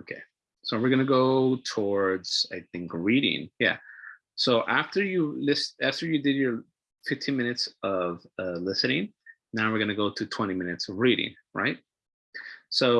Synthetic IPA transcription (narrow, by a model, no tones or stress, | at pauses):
oʊkʰḛɪ | soʊwɨɹɡʌñɨɡoʊtʰɔɹdz̥aɪθɪ̃ŋkɹiɾɪ̰̃ŋjæ̰ | soʊʔæftə˞jɨlɪstæftə˞jɨdɨdjə˞ | fɪftʰĩnmɪ̃ñɨtsʌv̥ʌlɪsɨ̃ñɪ̃ŋ | nãʊwɨɹɡʌnɨɡoʊɾɨtʰw̥ɛ̃ɾ̃imɪ̃ñɨtsʌvɹiɾɪ̰̃ŋ | ɹʔa̰ɪt̚ | soʊ